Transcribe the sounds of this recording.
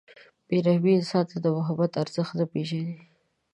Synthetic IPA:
b̥eɾahbisɑt̪ad̪əwaɦabat̪aɾz̥əxd̪apeʃad̪i

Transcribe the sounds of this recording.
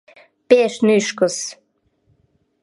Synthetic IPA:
peʃnyʃkəs

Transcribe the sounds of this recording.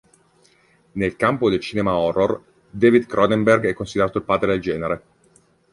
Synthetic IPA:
nelkampod̪elt͡ʃiːnemaɔrːor | d̪eːvid̪kɾɔd̪emberɡɛkːonsid̪eɾaːt̪oilpaːd̪ɾed̪eld͡ʒɛːneɾe

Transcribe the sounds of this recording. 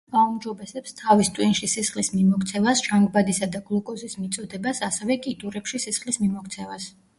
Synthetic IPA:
ɡaumd͡ʒɔbɛsɛpst̪ʰavist̪ʼwinʃisisχlismimɔkʰt̪sʰɛvasʒ̥aŋɡbad̪isad̪aɡlˠɔkʼɔsismit̪sʼɔd̪ɛbasasɛvɛkʼit̪ʼuɾɛpʃisisχlismimɔkʰt̪sʰɛvas

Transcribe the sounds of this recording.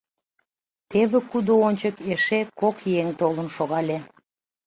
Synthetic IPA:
t̪eβĕkud̪oonʲt͡ɕəkeʃekokjeŋt̪olənʃoɣɑlʲe

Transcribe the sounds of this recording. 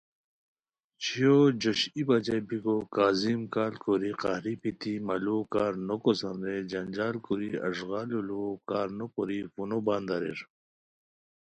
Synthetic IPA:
t͡ɕʰijod͡ʑoɕibɐd͡ʑebiɡokaːzimkaːlkuɾiqahɾipit̪imɐlokaːɾnokosɐnɾed͡ʑɐnd͡ʑaːlkuɾiɐ̰ʂɣaːlulokaːɾnokoɾifunobaːnd̪ɐɾḭɾ

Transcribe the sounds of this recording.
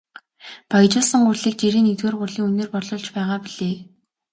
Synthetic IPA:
paj̆t͡ɕʊːɮsə̆ŋɢʊrɮiːk̚t͡ɕeɾeːnet̪weːrɢʊrɮiːŋɵnĕːrpɔɮʊːɮt͡ɕpæːʁaːpiɮeː

